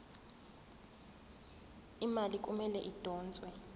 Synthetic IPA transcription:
imalik̬ʼumɛlɛʔid̥ʱɔːnt͡sʼwɛ

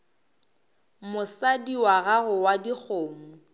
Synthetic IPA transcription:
mʊsadiwaɣaɣʊwadik͡xʰoːŋ̩

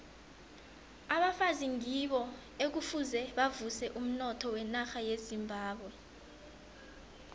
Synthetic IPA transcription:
aɓafaziŋiɓɔ | ek̬ufuzɛɓavusɛʔum̩nɔtʰɔwɛnaxajezimbʱaːɓwɛ

